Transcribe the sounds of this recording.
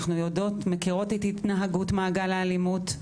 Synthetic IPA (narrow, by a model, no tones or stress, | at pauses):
χnujo̞do̞tmekiʁo̞tetitnaɦaɡutmaːɡalaalimut